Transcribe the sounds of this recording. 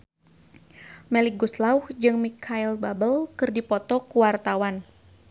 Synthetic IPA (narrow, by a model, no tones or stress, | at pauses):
mɛlik̚ɡuslauhd͡ʒɨŋmikʰailbabəlkɨrdipɔt̪ɔkuwart̪awan